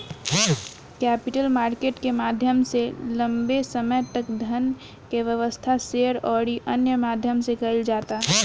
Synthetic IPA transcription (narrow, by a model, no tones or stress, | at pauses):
kɛːpɪʈəlmaːɾkeːʈkemaːd̪ʱjəmselə̃mbesəməjt̪əkd̪ʱən | keʋjəʋəst̪ʰaseɾɔːɽiʔənjəmaːd̪ʱjəmsekəɪld͡ʒaːt̪aɦɛ